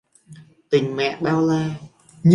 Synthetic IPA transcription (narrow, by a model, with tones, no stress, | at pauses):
t̪ï˨˩ŋ̟mɛ̰˧˨ɓaː˧wlaː˧ | ɲ